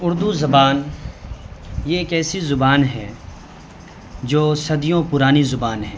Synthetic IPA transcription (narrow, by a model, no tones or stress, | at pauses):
ʊɾd̪uzɐbaːn | jeeːkɛːsizʊbaːnɦɛː | d͡ʒoːsɐd̪ijõpʊɾaːnizʊbaːnɦɛ̃ː